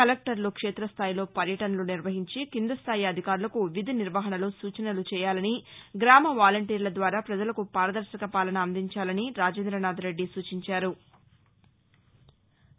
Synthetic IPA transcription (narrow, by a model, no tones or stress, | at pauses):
kɐlek̚ʈɐɾloːkʂeːt̪ɾɐst̪ʰaːjlo̞ːpɐɾjɐʈɐnɐluniɾʋɐɦiɲt͡ʃikind̪ɐst̪ʰaːjiɐd̪ʱikaːɾulɐkuʋid̪ʱiniɾʋɐɦɐnɐlusuːt͡ʃɐnɐlut͡ʃɛːjaːlɐniɡɾaːmɐʋaːlɐɳʈiːɾlɐd̪ʋaːɾaːpɾɐd͡ʒɐlɐkupaːɾɐd̪ɐɾʃɐkɐpaːlɐnɐːnd̪iɲt͡ʃaːlɐniɾaːd͡ʒeːnd̪ɾɐnaːd̪ɐɾe̞ɖːisuːt͡ʃiɲt͡ʃaːɾu